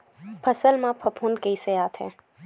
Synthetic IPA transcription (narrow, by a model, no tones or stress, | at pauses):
pʰɐsəlmãpʰɐpʰuːnkeiseaːt̪ʰɦɛ̰̃ː